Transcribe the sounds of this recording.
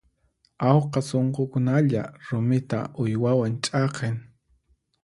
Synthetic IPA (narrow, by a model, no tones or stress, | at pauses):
awqɑsoɴqokʊnaʎa̰ɾʊmɪt̪a̰ʔʊjwawant͡ʃʼɑqeŋ